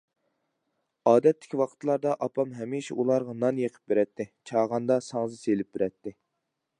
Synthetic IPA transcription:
ɑːd̪ɛt̪ʰːɪ̥kʲwɑqʰə̥t̪lˠɑɾd̪ɑʔɑpʰɑmɦɛmiʃɛulˠɑɾʁɑnɑnjeqʰə̥p̚beɾɛt̪ʰːɪt͡ʃʰɑːʁɑnd̪ɑsɑŋzɨselɪp̚beɾɛt̪ʰːɪ

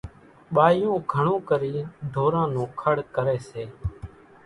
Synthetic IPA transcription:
ɓaːjõːɡʱəɳõːkəɾiːɖ̪ʱoːɾãːnõːkʰəɽkəɾeːseː

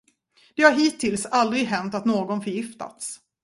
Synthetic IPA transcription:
d̪̥ɛhaɾɦiːt̪ʰɪlsald̪ɾɪɡɦɛnt̪at̪noːɡɔnfœɾjɪft̪a̰t̪s

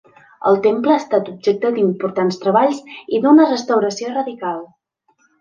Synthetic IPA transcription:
ə̰lˠt̪empləːst̪at̪ub̚ʒek̚t̪əd̪impuɾt̪anst̪ɾəβaʎsid̪unərəst̪əwɾəsiorəðikalˠ

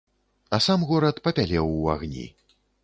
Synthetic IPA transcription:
ɐsamɣɔɾɐt̪pɐpʲalʲɛwa̰ɣnʲḭ

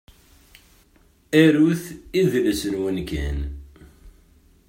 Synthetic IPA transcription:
æɾuθiðləsənwənkæ̰n

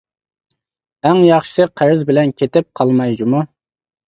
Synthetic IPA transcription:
æŋjɑχʃɨ̥sɨqʰæɾɪzbɪlɛnkʲʰet̪ɪp̚qʰɑlˠmɑjd͡ʒumu

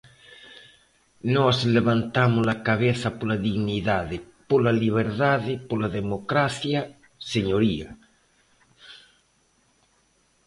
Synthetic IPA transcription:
nosleβant̪amolakaβeθapolaðiɣniðaðepolaliβ̞eɾðaðepolaðemokɾaθja | seɲoɾia

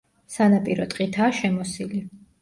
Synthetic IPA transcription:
sanapʼiɾɔt̪ʼqʼit̪ʰaːʃɛmɔsili

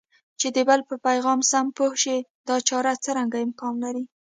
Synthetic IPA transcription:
t͡ʃed̪əbalpəpajɣɑmsampohʃed̪ɑt͡ʃɑɾat͡səɾaŋɡaɪmkɑnlaɾi

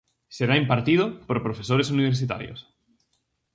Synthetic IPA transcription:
seɾaimpaɾt̪iðʊpoɾpɾofesoɾesuniβ̞eɾs̬it̪a̰ɾjo̰s

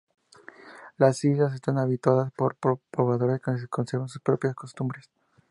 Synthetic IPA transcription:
lasiʝas̬e̞st̪anaβit̪waðaspoɾpopɾoβaðo̞ɾeskenseko̞nseɾβans̬uspɾo̞pjasko̞st̪umbɾes

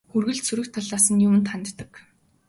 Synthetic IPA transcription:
xurɣɘ̆ɮt̪suɾɘ̆xt̪ʰːaɮaːsə̆njʊmɘ̆nt̪χant̪ːə̆k

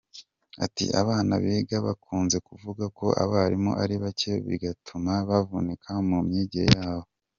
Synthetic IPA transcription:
a̰tḭʔaβaːna̰βiːɡaβakʰuːnze̞kuvuɡako̞ʔa̰βaɾimo̰ʔaɾiβace̞βḭɡatʰumaβavunekʰamumɲiːɟiɾḛjaːβo̞

